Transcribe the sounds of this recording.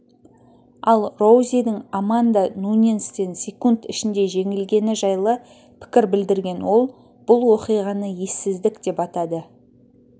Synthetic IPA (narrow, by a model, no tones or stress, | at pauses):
ɑlˠro̞wzʲid̪ɪŋomand̪anunʲenst̪e̞nsʲekunt̪ɪʃɪnd̪e̞ʒe̞ŋɪlɡʲe̞nɪʒɑjlˠə | pʰɪ̥kʲɪɾbɪld̪ɪɾɡʲe̞nwo̞lˠ | b̥ʊlˠwo̞qijʁɑnəje̞sɪzd̪ɪkd̪̥e̞pɑt̪ɑd̪ə